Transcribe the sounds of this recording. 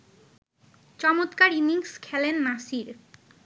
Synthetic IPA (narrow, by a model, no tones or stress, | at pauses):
t͡ɕɔmot̪kaɾiniŋskʰɛlenːaʃiɾ